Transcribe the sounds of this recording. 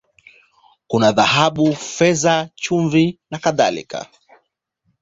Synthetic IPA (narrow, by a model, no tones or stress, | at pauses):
kunaðahaɓufɛzat͡ʃuɱvinakaða̰lḭka̰